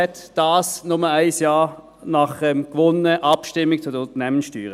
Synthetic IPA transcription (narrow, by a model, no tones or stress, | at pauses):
ɛtd̥ɑːsnʊməaɪsjɑː | nɑχəmkvɔnːəʔɑpʃtɪmɪk̚t͡sʊdəʊnt̪ənɛmənsʃtyːʁə